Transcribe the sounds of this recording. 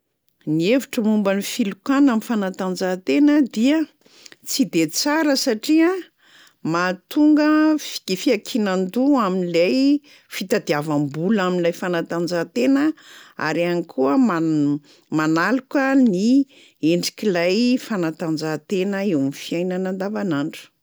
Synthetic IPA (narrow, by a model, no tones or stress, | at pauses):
nieviʈ͡ʂəmumbanifilukanamifanat̪and͡zat̪enəd̪iə | t͡sid̪et͡saɾəsaʈ͡ʂia | mat̪uŋɡəfi̥kifiakʰinand̪uaminlaj | fit̪ad̪iavambulaminilajfanat̪and͡zat̪enəa̰ɾianikʰuəma | manalukəni | eɳɖ͡ʐikʲilajfanat̪and͡zat̪enəewnifiajnanand̪avanaɳʈ͡ʂu̥